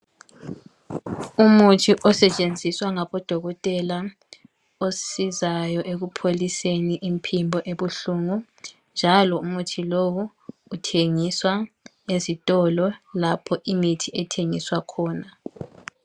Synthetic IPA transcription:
umutʰiʔɔsɛt͡ʃʼend͡zʱiswaŋaβɔd̥ʱɔɣɔtʼɛla | osizajɔʔeɣupʰoliseniʔimpʰimbʱɔʔeβuɬuŋu | nd͡ʒʱalɔumutʰilowuː | tʰeŋiswa | ezitʼɔlɔlapʰɔʔimitʰiɛtʰeŋiswakʰɔːna

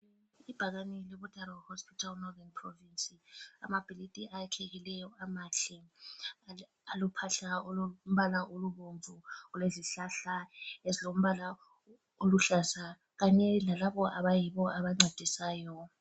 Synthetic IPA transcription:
ib̥ʱaɣanilɛβud̥ʱʼaɾawhospʰitʰalnɔðɛnpʰrɔvinsʼia̰mab̥ʱilitʼiʔajakʰeɣilɛjɔamaɬi | alupʰaɬaolm̩βalaʔoluβoɱvʱuuleziɬaɬaezilom̩βala | oluɬasa | ɣaɲɛlalaβɔʔaβajiβɔaβaŋ͡ǀʱad̥ʱisaːjɔ

